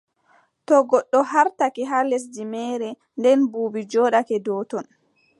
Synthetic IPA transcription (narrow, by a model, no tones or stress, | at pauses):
tɔɡɔɗːɔhaɾtakɛɦales̬dimɛɾɛ | ndɛnbuːbid͡ʒɔːɗakɛdɔːtɔn